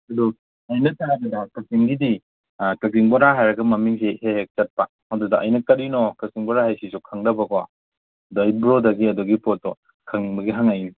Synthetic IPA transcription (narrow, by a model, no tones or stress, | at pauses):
ɐdu | ɐjnɐtaɾaɡɐdɐkɐziŋɡidi | kɐsiŋboɾaɦajɾɐɡɐmɐmiŋsihehek̚t͡ʃɐt̚pɐ | hɔdudɐʔɐ̰jnɐkɐɾinɔkɐziŋbɔɾahajsisukʰɐŋdɐbɐɡoa̰ | dajbɾodɐɡiɐduɡipɔt̚ːɔ | kʰɐŋbɐɡiɦaŋɐjni